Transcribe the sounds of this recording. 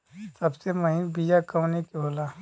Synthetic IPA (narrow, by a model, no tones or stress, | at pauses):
sɐbseməɦinbijakəwnekeɦoːla